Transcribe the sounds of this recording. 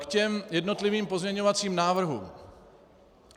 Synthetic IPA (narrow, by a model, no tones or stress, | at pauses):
kcɛmjɛdno̞t̪lɪviːmpo̞zmɲɛɲovat͡siːmnaːvr̩ɦṵːm